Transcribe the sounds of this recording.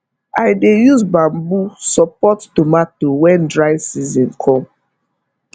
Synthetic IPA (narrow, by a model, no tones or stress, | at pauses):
aɪdejuzbãmbusɔpɔtːomatowɛ̃ndɹaɪvsizɔ̃nkʰɔ̃m